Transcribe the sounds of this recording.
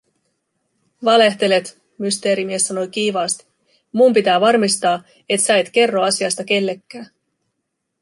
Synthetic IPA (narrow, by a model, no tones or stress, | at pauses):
ʋɑle̞ht̪e̞le̞t̪ | myst̪e̞ːɾimie̞sːɑno̞jk̟iːʋɑːst̪i̥ | mumpit̪æːʋɑrmist̪ɑː | e̞t̪sæet̪ke̞rːo̞ɑsiɑst̪ɑke̞lːe̞kːæː